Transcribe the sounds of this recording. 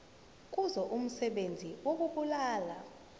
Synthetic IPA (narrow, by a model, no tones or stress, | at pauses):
k̬ʼuzɔʔum̩sɛɓend͡zʱiwok̬ʼuɓulaːla